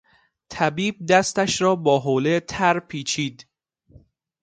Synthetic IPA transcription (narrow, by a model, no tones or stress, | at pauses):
t̪ʰæbiːb̚d̪æst̪æʃɾɒːbɒːɦoːlet̪ʰæɾpʰiːt͡ʃʰiːd̪